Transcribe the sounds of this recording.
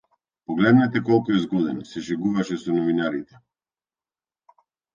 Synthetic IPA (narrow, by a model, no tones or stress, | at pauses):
pɔɡlɛd̪nɛt̪ɛkɔlˠkuɛzɡɔd̪inasɛʃɛɡuvaʃɛsɔnɔvinaɾit̪ɛ